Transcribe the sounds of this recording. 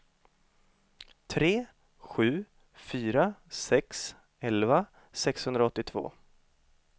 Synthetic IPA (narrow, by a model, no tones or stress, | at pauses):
t̪ʰɾeː | ɧʉ̟ː | fyːɾasɛks | ɛlva | sɛkshɵnd̪ɾaɔt̪ːɪt̪ʰvo̰ː